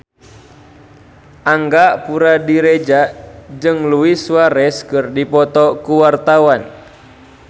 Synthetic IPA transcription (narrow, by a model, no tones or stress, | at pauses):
ʔaŋɡapuɾadiɾɛd͡ʒad͡ʒɨŋluiswaɾɛskɨrdipɔt̪ɔkuwart̪awan